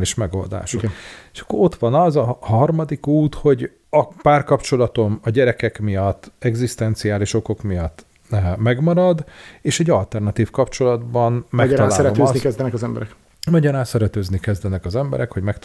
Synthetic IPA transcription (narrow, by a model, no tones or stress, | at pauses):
liʃmɛɡo̞̰ld̪a̰ːʃoe̥ʃɒ̥kːoɾo̞t̪ʋɒnɒzɒhɒrmɒd̪ikuːt̪ho̞ɟ | ɒpaːrkɒpt͡ʃo̞lɒt̪o̞mɒɟɛɾɛkɛkmijɒt̪ːɛɡzist̪ɛnt̪siaːliʃo̞ko̞kmijɒt̪ː | mɛɡmɒɾɒd̪eːʃɛɟːɒlt̪ɛrnɒt̪iːfkɒpt͡ʃo̞lɒd̪bɒnmɛkt̪ɒlaːlɛot̪ːnikɛzd̪ɛnɛkɒzɛmbɛ̰ɾɛk | mɒɟɒɾaːnsɛɾɛt̪øːznikɛzd̪ɛnɛkɒzɛmbɛ̰ɾɛkho̞ɟmɛkt̪